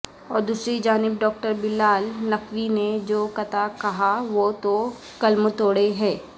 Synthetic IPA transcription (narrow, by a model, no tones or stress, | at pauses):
ɔːɾd̪uːsɾid͡ʒaːnɪbɖɔːk̚ʈəɾbɪlːaːlnɐkʋined͡ʒoːkɐt̪akɐɦaʋoːt̪o | kɐlmt̪oːɽeɦɛ̃ː